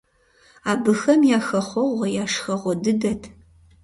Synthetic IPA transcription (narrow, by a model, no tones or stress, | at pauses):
aːbɨxɐmjaːxɐχʷɔʁʷɐjaːʃxɐʁʷɔdɨdɐtʰ